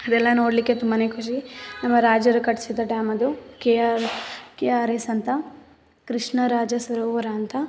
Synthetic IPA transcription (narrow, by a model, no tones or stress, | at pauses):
ɐd̪ɛlːɐno̞ːɽlikːet̪umbɐnekʰuʃ̬inɐmːɐɾaːd͡ʒɐɾukɐʈsid̪ɐʈjaːmɐd̪uke | keːaːɾesɐnt̪ɐ | kɾɪʂɳɐɾaːd͡ʒɐsʋɐɾoːʋɐɾɐːnt̪ɐ